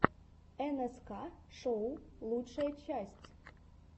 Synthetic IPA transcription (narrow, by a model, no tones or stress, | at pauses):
ɛnɛskaʂɔwlˠutʂɐjɐt͡ɕasʲt͡sʲ